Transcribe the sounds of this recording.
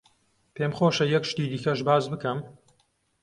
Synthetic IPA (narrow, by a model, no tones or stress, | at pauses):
pʰeːmχoːʃɐjɛkʃt̪iːd̪iːkɐʃbaːzbɨkɐm